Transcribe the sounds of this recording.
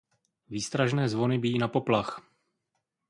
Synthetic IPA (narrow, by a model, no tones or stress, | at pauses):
viːst̪ɾaʒnɛːzvo̞nɪbɪjiːnapo̞plax